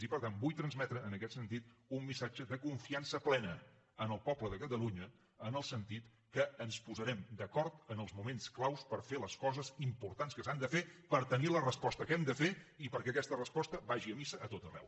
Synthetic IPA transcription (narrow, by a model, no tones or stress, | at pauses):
ipəɾt̪ambujt̪ɾənzmɛt̪ɾəːnəkɛt̪sənt̪it̪umːisad͡ʒəðəkuɱfiansəplɛnə | ənəlˠpɔbləðəkət̪əluɲəː | nəlˠsənt̪it̪ | kəːnspuzəɾɛmd̪əkɔɾt̪ənəlˠzmumensklawspəɾfeləskɔzəzimpuɾt̪anskəsand̪əfepəɾt̪ənilərəspɔst̪əkɛmd̪əfeipəɾkɛəkɛst̪ərəspɔst̪əbaʒiəmisəʔət̪ot̪ərɛ̰w